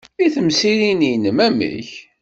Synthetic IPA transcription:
iθəmsilininəmæmə̰ç

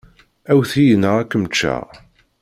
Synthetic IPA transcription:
æwθijənəʁækːəmt͡ʃːæ̰

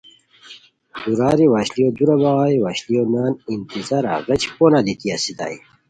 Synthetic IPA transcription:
d̪uɾaːɾiwaːɕlijod̪uɾɐbaʁaːiwaːɕlijonaːnint̪izaɾa̰ʁɐt͡ɕpoːnalit̪iasid̪a̰ːi

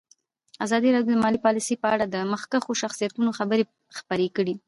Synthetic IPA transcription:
azɑd̪iɾɑdjod̪əmɑlipɑlisəjpəaɽad̪əməxkaxoʃaxsijat̪unoxabəɾe | xpəɾekəɽi

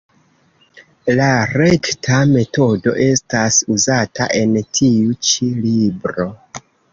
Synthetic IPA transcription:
laɾe̞ktʰame̞to̞do̞̰ʔe̞stasuzatʰa̰ʔe̞ntʰiut͡ʃilibɾo̞

